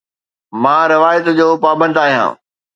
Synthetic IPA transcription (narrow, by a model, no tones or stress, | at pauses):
mãːɾɪʋaːjət̪d͡ʑoːpaːbə̃nd̪aːɦijã̰ː